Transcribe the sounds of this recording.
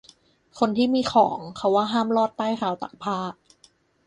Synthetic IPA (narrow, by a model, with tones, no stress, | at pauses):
kʰo˧nt̪ʰiː˥˩miː˧xʰɔː˩˦ŋkʰa˦˥waː˥˩ɦaː˥˩mlɔː˥˩t̪ːaː˥˩jxʰaː˧wt̪a̰˨˩k̚pʰaː˥˩